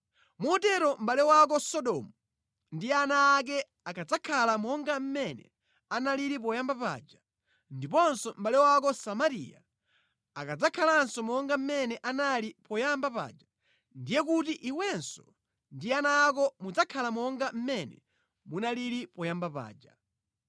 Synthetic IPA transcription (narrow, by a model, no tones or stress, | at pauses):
mɔtɛɾɔm̩ɓalɛwak̬ɔsɔɗɔmu | ndianaːk̬ɛ | akad͡zakʰalamɔŋɡam̩mɛnɛ̰ | analiɾip̬ɔjambapa̰ːd͡ʒa | ndipɔnsɔm̩ɓalɛwak̬ɔsamaɾḭja̰ | akad͡zakʰalaansɔmɔŋɡam̩mɛnɛʔanalipɔjambapa̰ːd͡ʒa | ndijɛk̬utiʔiwɛnsɔ̥ | ndianaːk̬ɔmud͡zakʰalamɔŋɡam̩mɛnɛ̰ | munaliɾipɔjambapa̰ːd͡ʒa